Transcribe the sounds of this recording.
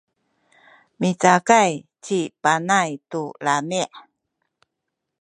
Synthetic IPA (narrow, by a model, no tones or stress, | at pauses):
mit͡sakajt͡ɕipanajtulamiʔ